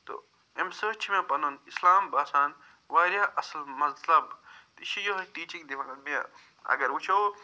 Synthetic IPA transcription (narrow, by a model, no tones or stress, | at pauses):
t̪o̰ | emsəːt͡ʃʰimẽpɐnunislaːmbaːsaːn | ʋaːɾjaːʔɐsɐlmɐzlɐbt̪iʃijoɦɐʈiːt͡ʃiŋd̪ifɐnɐbija | ɐ̰ɡɐɾwut͡ʃʰo